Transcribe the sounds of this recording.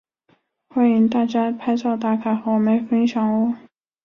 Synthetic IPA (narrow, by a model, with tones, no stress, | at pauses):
xwa˥i˥˧ŋt̪a˥˩t͡ɕja˥pʰa˥ɪt͡sɑ˥˧ʊt̪a˥˩k̪ʰa˥˩xo˥˩ʊme˧˥ɪfə˥nɕjɑ˨˩ŋwɔ˨˥˦